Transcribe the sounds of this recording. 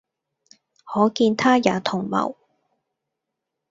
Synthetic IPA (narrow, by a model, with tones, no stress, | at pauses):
hɔː˨˥kiː˧nt̪ʰaː˥jaː˨˧˥t̪ʰʊ˨˩ŋmɐ̰˨˩w